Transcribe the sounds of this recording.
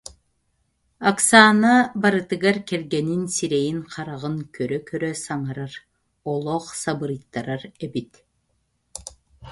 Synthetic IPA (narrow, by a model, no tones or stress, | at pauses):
aksaːnabaɾɯt̪ɯɡaɾkɛlɡɛninsiɾɛjiŋqʰɑɾaʁɯŋkœɾœkœɾœsaŋaɾaɾ | ɔlˠɔχsabɯɾɯjt̪ːaɾaɾɛbit̪